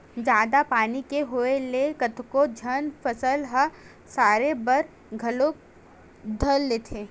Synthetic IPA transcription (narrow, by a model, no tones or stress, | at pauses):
d͡ʒaːd̪apaːnikeɦoelekət̪ʰkod͡ʒʱənfəsəlɦə | saːɾebɐɾ | ɡʱɐlok | d̪ʱəlːeːt̪ʰeː